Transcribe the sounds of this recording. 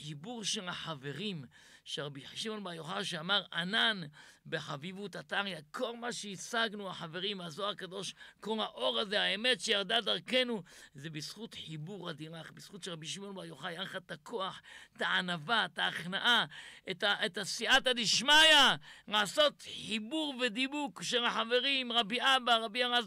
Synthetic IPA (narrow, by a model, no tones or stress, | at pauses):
ħibuʁʃe̞laħave̞ʁimʃeʁabiʃimo̞nbaʁjoχaʃeamaʁananbeħavivut̪ataʁjakʰo̞lmaʃeisaɡnuaħave̞ʁimazoakado̞ʃkolhaʔo̞ʁaze̞haeme̞tʃejaʁd̪ad̪aʁke̞nuzebisχut̪ħibuʁhad̪iʁaχbisχutʃeʁabiʃimo̞nbaʁjoχajaχat̪akʰo̞aħt̪aanavat̪aːχnaʔaetaʔetasiʔatadiʃmajanaːso̞t̪ħibuʁved̪ibukaʃelaħave̞ʁimʁabiʔabaʁabiaʁaz